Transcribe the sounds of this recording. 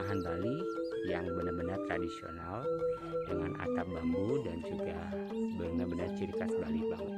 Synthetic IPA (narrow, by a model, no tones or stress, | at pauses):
aɦanbalijaŋbənərbənart̪ɾadisio̰nal | dəŋanʔa̰t̪arbaŋɡudant͡ʃukabəmabənərt͡ʃəɾikasəbalibaŋut̪̚